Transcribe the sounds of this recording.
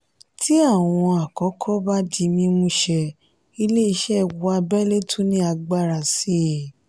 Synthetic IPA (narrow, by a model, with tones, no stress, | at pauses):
tʰi˦a˦˨w̃ɔ̃˧a˨kɔ˨˦kʰɔ˦ba˦di˧mĩ˧mũ˧˦ʃɛ˧ | i˧le˦i˧ʃɛ˦˨wa˧bɛ˦le˦tʰũ˦nĩ˦a˧ɡ͡ba˦˨ɾa˨si˨˦˨